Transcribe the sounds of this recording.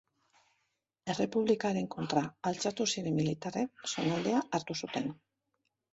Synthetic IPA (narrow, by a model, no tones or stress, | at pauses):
e̞re̞puβlikaɾe̞ŋko̞nt̪ɾaːlt͡sat̪usiɾemːilit̪arekso̞nald̪e̞aaɾt̪usut̪e̞n